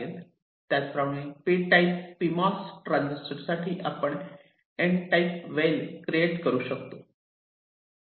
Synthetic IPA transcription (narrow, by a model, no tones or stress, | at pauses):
ən | t̪jat͡spɾamĩpeʈaipfimɔsʈɾãnd͡ʑəsʈəɾsaʈʰiːʔapəɳ | eɳʈajpʋelkɾieʈkəɾuːɕəkt̪o